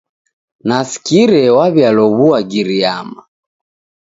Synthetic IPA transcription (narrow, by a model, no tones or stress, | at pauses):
nasi̥kiɾɛwaβjalɔβuaɡiɾiama